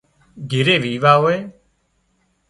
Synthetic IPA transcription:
ɡʱɪɾeːʋiːʋaːɦoːeː

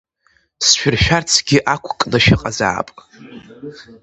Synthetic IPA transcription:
sʃᶣʊrʃᶣart͡sʰɡʲɪʔakʷʰkʼnɨʃɪqʼaza̰ːpʼ

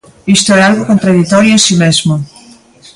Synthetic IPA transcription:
ist̪oɛalɣokõnt̪ɾaðit̪ɔɾjoesimezmo

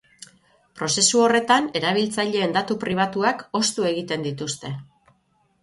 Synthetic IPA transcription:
pɾo̞se̞suo̞re̞t̪ane̞ɾaβ̞ilt͡saʎe̞ːnd̪at̪upɾiβ̞at̪uako̞st̪ue̞ɣit̪e̞nd̪it̪ust̪e̞

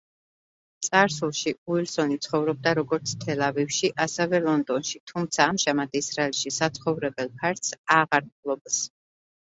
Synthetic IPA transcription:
t̪sʼaɾsulˠʃiuilˠsɔnit̪sʰχɔvɾɔb̚d̪aɾɔɡɔɾt̪sʰt̪ʰɛlavivʃiʔasɛvɛlˠɔnd̪ɔnʃit̪ʰumt̪sʰaːmʒamad̪isɾaɛlˠʃisat̪sʰχɔvɾɛbɛlˠpʰaɾt̪saʁaɾmlˠɔbs

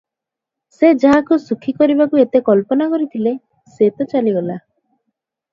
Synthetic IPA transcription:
sed͡ʒaɦakusukʰikɔɾibakuet̪ekɔlpɔnakɔɾit̪ʰile | set̪ɔt͡ʃaliɡɔla

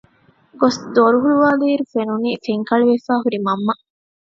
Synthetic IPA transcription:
ɡosd̪oɾuɦuɭuʋaːliːɾufenuniːfeŋkɐɭiʋefaːɦuɾimɐmːɐ

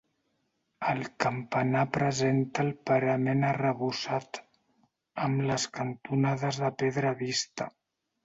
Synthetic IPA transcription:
əlˠkəmpənapɾəzent̪əːlˠpəɾəmenərəβusat̪ | əmləskənt̪unaðəzðəpeðɾəβist̪ə

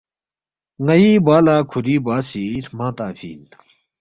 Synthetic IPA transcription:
ŋɐiːbaːlaːkʰuɾiːbaːsiːɾmãːt̪aːfḭːn

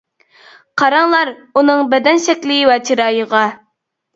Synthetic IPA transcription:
qʰɑɾɑŋlˠɑɾunɨŋbɛd̪ɛnʃɛkʲlɪɡɪwɛt͡ʃʰiɾɑːjəʁɑ

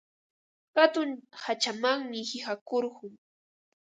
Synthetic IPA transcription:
kat̪ʊnhat͡ʃamaŋmɪhɪhakoɾɢʊŋ

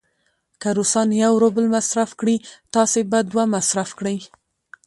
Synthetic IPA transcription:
kaɾusɑnjawɾobəlmasɾafkɽit̪ɑsebad̪wamasɾafkɽəj

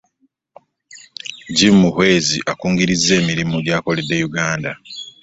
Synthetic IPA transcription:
ɟimːuhwe̞ːzḭʔakuːŋɡiɾizːe̞ːmiɾimuɟaːko̞ledːe̞juɡaːnda

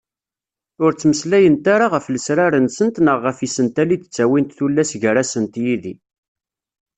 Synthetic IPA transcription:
ʊɾt͡sːməslæjənt̪aɾaʁəfləsɾaɾənsənt̪nəʁːəfisənt̪ælid̪ə̥t͡sːæwint̪θulːæsʝəɾasənt̪jiðḭ

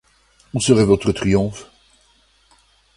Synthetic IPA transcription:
usəʁɛvɔt̪χət̪χiɔ̃f

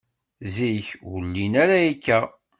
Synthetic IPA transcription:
ziçwəlːinæɾæikːæ

